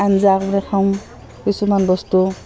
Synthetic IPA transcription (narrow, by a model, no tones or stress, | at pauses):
anzakbɾɛkʰawm | kisumanbɔstu